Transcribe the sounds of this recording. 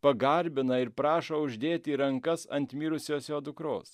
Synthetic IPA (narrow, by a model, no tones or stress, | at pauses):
pɐɡɐɾʲbʲɪnɐɪɾpɾɑːʃoʊʒʲd̪ʲeːt̪ʲiːɾɐŋkɐsɐ̰nʲt̪ʲmʲiːɾʊsʲoːsjoːd̪ʊkɾoːs